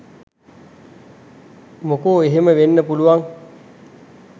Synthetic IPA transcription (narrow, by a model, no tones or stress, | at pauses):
mokoːeɦeməʋenːəpuluʋaŋ